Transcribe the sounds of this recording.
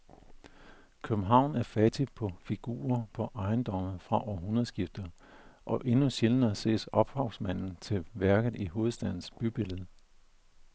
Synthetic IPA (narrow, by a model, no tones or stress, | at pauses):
kʰøb̥m̩ɦɑ̈ʊ̰næɐfæd̥ipʰɒ̽fiɡ̥ṵːɐpʰɒ̽ʔɑ̈ɪnd̥ɒ̽m̰ð̩ˠfʁɑ̈ʔɒːɦunɐð̩ˠsɡ̥ifd̥ɐ | ʔɒ̽ʔe̝nuɕelənɐse̝̰ːsɒ̽b̥hɑ̈ʊsmæn̰n̩t͡sʰe̝ʋæɐɡ̥ð̩ˠiɦo̝ːð̩ˠsd̥æð̰ˠn̩sb̥yb̥e̝ləð̞̩ˠ